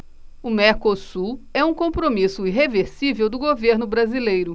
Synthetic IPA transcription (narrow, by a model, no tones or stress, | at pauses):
ʊmeɾkosuɛũkõpɾomisʊiɦeveɾsivewd̪ʊɡoveɾnʊbɾazilejɾʊ